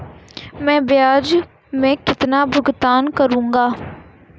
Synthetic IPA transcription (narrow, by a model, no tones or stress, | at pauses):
mɛ̃ːbɪjaːd͡ʒ | mɛ̃ːkɪt̪naːbʊɡt̪aːnkəɾũːŋɡaː